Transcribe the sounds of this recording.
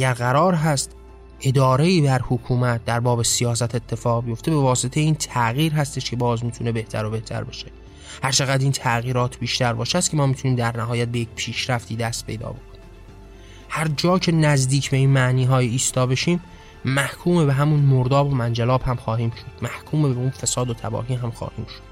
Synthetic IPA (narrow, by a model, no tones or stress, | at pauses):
ʔæɟæɾɣæɾɒːɾɦæst̪ | ʔe̞d̪ɒːɾe̞iːbæɾhokʰuːmæt̪̚d̪æɾbɒːbe̞sijɒːs̬æt̪ʰe̞t̪ʰːe̞fɒːɣbijo̞ft̪e̞be̞vɒːse̞t̪ʰe̞jeiːnt̪ʰæɣiːɾɦæst̪e̞ʃcʰe̞bɒːzmit̪ʰune̞be̞ht̪ʰæ̰ɾo̞be̞ht̪ʰæ̰ɾbɒ̰ːʃe̥ | hæɾt͡ʃʰeɣæd̪iːnt̪ʰæɣiːɾɒːt̪ʰbiːʃt̪æɾbɒ̰ːʃæs̚cʰe̞mɒːmit̪ʰuniːmd̪æɾnæɦɒːjæt̪̚be̞jecpʰiːʃɾæft̪ʰiːd̪æst̪̚pʰe̞jd̪ɒ̰ːbo̞kʰonim | hæɾd͡ʒɒːcʰe̞næzd̪iːcʰbe̞iːnmæʔniːɦɒːjiiːst̪ɒːbe̞ʃiːmː | æhkʰuːme̞beɦæmunmoɾd̪ɒːbo̞mænd͡ʒælɒːbhæmxɒːɦiːmʃo̞d̪̥mæhkʰuːmebeunfesɒːd̪ot̪ʰæ̰bɒ̰ːɦiːɦæmxɒ̰ːhiːmʃod̪̥